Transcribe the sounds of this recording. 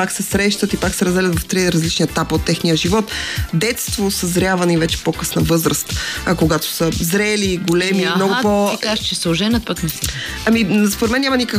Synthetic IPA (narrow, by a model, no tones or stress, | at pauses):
paksɛsɾɛʃt̪ət̪ipaksɛɾɐzɛlʲət̪vɐft̪ɾiɾɐzlit͡ʃniɛt̪apot̪ːɛxnijəʒivɔt̪d̪ɛt̪st̪vosəzɾʲavɐnivɛt͡ʃɛ̥pokɤsnəvɤzɾəst̪koɡat̪o̥səzɾɛliɡolɛmimnɔɡʊpoaʒt͡ʃɛsʊʒɛnɐpət̪nɐsi | ɐmispoɾɛt̪mɛnːɲamɐnikək